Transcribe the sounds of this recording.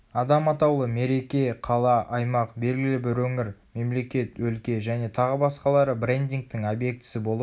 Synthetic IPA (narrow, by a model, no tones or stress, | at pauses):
ɑd̪ɑmɑt̪ɑwlˠəme̞ɾe̞kʲe̞qʰɑlˠɑʔɑjmɑqbe̞lɡʲɪlɪbɪɾwɵŋɪɾme̞mle̞kʲe̞t̪wɵlkʲe̞ʒæne̞t̪ʰɑʁəbɑsqɑlˠɑɾəbɾe̞nd̪iŋk̚t̪ɪŋobje̞k̚t̪ɪ̥sɪbo̞lˠə